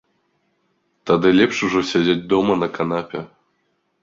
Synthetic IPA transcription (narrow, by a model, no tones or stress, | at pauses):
t̪ad̪ɨlʲɛpʂuʐɔsʲad͡zʲad͡zʲd̪ɔmɐnɐkanapʲɛ